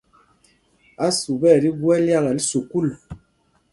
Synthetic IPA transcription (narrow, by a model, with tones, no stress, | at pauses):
a˦su˨bɛ˦˨ɾi˦ɡwɛ˦lja˦ɣa˨li˦su˨ku˦l